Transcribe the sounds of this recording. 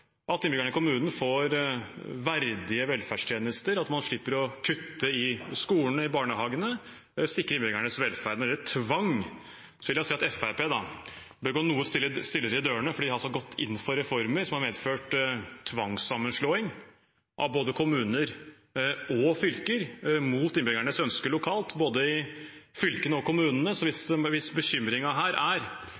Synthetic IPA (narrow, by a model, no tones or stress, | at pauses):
ʔɑlt̪ɪnbʏɪɡæɳɪkʰʊmʉːnn̩foɾ | ʋæɾd̪ɪəʋɛlfæɖʂʈ̪ʰjeːnəst̪əɾɑt̪mɑnʂɭɪpːəɾɔkʰʉt̪ːəɪskuːəɳəɪbɑːɳəhɑːɡənə | sɪkːɾəɾɪnbɪɡæɳəsʋɛlfæːɾd̪nɔɛlət̪ʰʋɑŋ | sɔʋɪljæsɛːɑt̪ɛfæɾpeːd̪ɑ | bəɡonuːəsɪst̪ɪlːəɾɪd̪øːəɳəfɔɖid̪hɑlsɔɡɔt̪ʰːɪ̰nːfɔɾɛfɔɾməɾsɔmhɑɾʋeːd̪føːʈt̪ʰʋɑŋsɑmːənʂloːɪŋ | ʔɑ̰ʋboːd̪əkʰʊmʉːnəɾ | ɔfʏlkəɾmuːt̪ɪnbɾɪŋæɳəsœnskəlʊkʰɑːlt̪boːd̪əɪfʏlkənəɔkʰʊmʉːnənəsɔʋɪsʋɪsbəçʏmɾɪŋɑɦæːɾʔæɾ